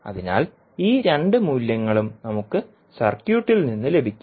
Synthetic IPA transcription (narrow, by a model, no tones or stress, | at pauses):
ɐ̰ðina̰ːl | iːɾe̞ɳɖɨmuːljɐŋːɐɭumnɐmukːɨ | sɐrkjuːʈːilninːɨle̞bʱikʲː